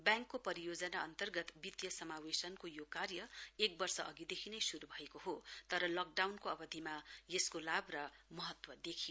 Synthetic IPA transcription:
bjãŋkːopʌɾijod͡zʌnaʌnt̪ʌrɡʌt̪bit̪jʌsʌmawesʌnkojokarjʌek̚bʌrsʌʔʌɡid̪ekʰinʌjsuɾubʱʌekoɦot̪ʌɾʌlʌk̚ɖawnkoʌbʌd̪ʱimajeskolabrʌmʌɦʌt̪wʌd̪ekʰijo

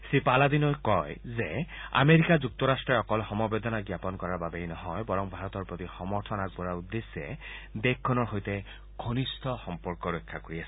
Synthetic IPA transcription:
sipalad̪inɔjkɔjzea̰meɹikazuk̚t̪ɔɹastɹɔɹɔkɔlxɔmɔbed̪ɔnaɡjapɔnkɔɹaɹbabejnɔɦɔjbɔɹɔŋbʱaɹɔt̪ɔɹpɹot̪ixɔmɔɹtʰɔnak̚bɔɹaud̪ːesːɛ̰d̪ek̚kʰːɔnɔɹxojt̪ɛ | ɡʱonistʰɔxɔmpɔɹkɔɹojkʰːakoɹiasɛ̥

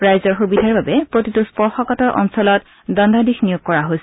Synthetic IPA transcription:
ɹajzɔɹxubidʱaɹbabɛpɹotituspɔɹxɔkɔtɔɹʔɔ̰nsɔlɔt | dɔndʱadixnijoɡ̚kɔɹaɦojsɛ

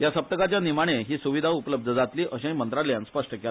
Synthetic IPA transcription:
jasəp̚t̪əkat͡ɕjanimaɽ̃eɦiːsuʋid̪ʱaupləb̚d̪ʱəd͡zat̪liːʔəɕãimənt̪ɾaljãnspəʂʈəke

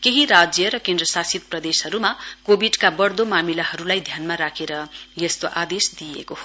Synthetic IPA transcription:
keɦiɾad͡zjʌɾʌkẽnd̪rʌsasit̪̚prʌd̪eshʌɾumakobiɖkabʌrd̪omamilaɦʌɾulajd̪ʱjanmaɾakʰeɾʌjʌst̪oʔad̪esd̪ijḛkoo

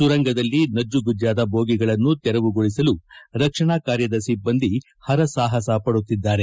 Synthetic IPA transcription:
suɾɐŋɡɐd̪ɐlːinɐd͡ʒːuɡud͡ʒjaːd̪ɐbʱoːɡiɡɐɭɐnːut̪ɛɾɐʋuɡoɭisɐluɾɐkʂɐɳaːkaːɾjɐd̪ɐsibːɐnd̪i | hɐɾɐsaːɦɐsɐpɐɽut̪ːid̪ːaːɾe

